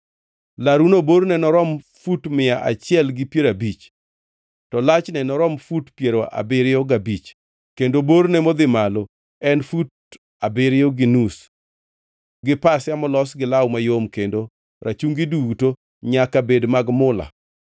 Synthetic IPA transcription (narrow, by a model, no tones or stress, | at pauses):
laɾunoboɾnɛnɔɾɔm | futmɪaʔa̰t͡ʃɪɛlɡɪpjeɾabit͡ʃ | tɔlat͡ʃnɛnɔɾɔmfutpjeɾoʔa̰bɪɾɪɔɡabit͡ʃ | kendoboɾnɛmɔd̪ɪmalo | ɛnfut̚ | abɪɾɪɔɡɪnus | ɡɪpasjamɔlɔsɡɪlawmajomkendo | ɾʔat͡ʃuŋɡɪduto | ɲakabedmaɡmʊla̰